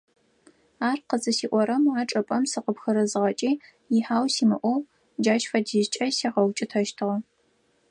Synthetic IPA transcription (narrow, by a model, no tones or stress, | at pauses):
aːrqəzʼɨsiːʔʷɔɾɐmaːʈ͡ʂʼɐpʼɐmsɨqəpxɐɾɐzɨʁɐt͡ʃʼiː | jɪħaːwsiːmɨʔʷɔw | d͡ʒaːʃfɐdiʒt͡ʃʼɐsiːʁɐwt͡ʃʼɪtʰɐʃtʰɨʁɐ